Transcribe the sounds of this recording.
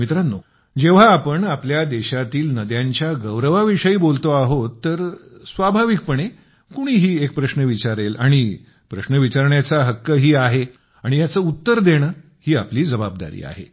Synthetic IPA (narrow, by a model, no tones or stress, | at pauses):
mit̪ɾanːo | d͡ʑeʋ̤aːpəɳapljad̪eɕat̪iːlnəd̪jãɲt͡ɕjaɡəʋɾəʋaʋiʂəiːbolt̪oaɦot̪ːəɾsʋabʱaʋik̚pəɳ̃e | kuɽ̃iːɦiːek̚pɾəɕnəʋit͡ɕaɾela̰ɽ̃i | pɾəɕnəʋit͡ɕaɾɳjat͡saɦəkːəɦiːaɦe | aɽ̃ijat͡səːut̪ːəɾd̪eɽ̃ə | hiːapliːd͡zəbab̚d̪a̰ɾḭːa̰ɦḛ